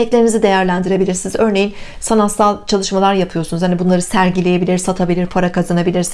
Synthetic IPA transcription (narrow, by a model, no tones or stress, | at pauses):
ɛclʲeɾinizid̪e̞jæɾlʲænd̪iɾe̞bilʲiɾsinizø̞ɾne̞jin | sanat̪salˠt͡ʃʰalˠɯʃmalˠaɾjapʰɯjo̞sunuzhanibunlˠaɾɯsæɾɟilʲeje̞bilʲiɾsat̪ʰabilʲiɾpʰaɾakʰazanabilʲiɾs